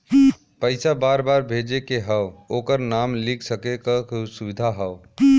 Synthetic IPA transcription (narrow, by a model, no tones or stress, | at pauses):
pəɪsabaɾbaːɾbʱed͡ʒekeɦəwokəɾnamlikʰsəkekəksuʋid̪ʱaɦəʊ